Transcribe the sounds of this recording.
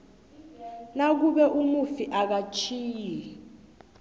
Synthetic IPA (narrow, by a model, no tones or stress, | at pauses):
nak̬uɓɛʔumufiʔak̬at͡ʃʰiːji